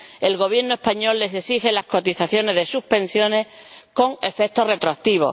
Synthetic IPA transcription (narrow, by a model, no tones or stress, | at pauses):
e̞lɣ̞o̞β̞je̞ɾnoe̞spaɲo̞lːe̞se̞sixe̞lasko̞t̪iθaθjo̞ne̞ɦðe̞suhpẽ̞nsjo̞ne̞ko̞ŋe̞fe̞k̚t̪o̞re̞t̪ɾoak̚t̪iβ̞o̞̰